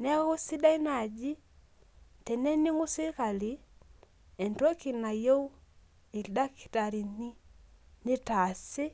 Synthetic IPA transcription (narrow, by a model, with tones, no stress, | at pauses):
nɛ˦u˦si˦da˦i˦na˨d͡ʒi˦ | tɛ˨ne˦ni˦ŋu˦si˦ka˨li˨˦ | e˨nto˦ki˨na˨jo˦w | i˨lda˦ki̥˨ta˨ɾi˨ni˦ni˦ta˨sɪ˦